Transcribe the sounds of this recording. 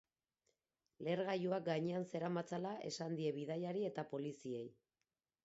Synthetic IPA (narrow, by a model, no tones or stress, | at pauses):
le̞ɾɣajuak̚ɡaɲe̞anse̞ɾamat͡salaʔe̞sand̪ie̞βið̞ajaɾie̞t̪apo̞lisie̞j